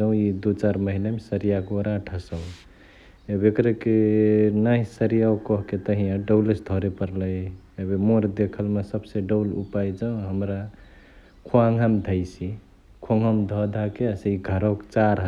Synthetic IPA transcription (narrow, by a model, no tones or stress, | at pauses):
d͡ʒə̃ʊ̃id̪ut͡ʃaɾməɦilemesəɾijakoɾaʈʰəsəw | ebekɾekenaɦisəɾijawkɔɦket̪əɦijãɖəwlesd̪ʱɔɾepəɾləj | ebemoɾd̪ekʰəlmesəbseɖəwlupajd͡ʒə̃ɦəmɾa | kʰuãŋɡʱamd̪ʱəjsi | kʰoŋɡʱəmd̪ʱɔd̪ʱakeseiɡʱəɾɔkt͡ʃaɾɦ